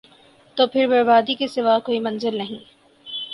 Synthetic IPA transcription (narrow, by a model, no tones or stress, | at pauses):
t̪oːpʰɪɾbɐɾbaːd̪ikisɪʋakoːimɐ̃nzɪlnɐɦĩː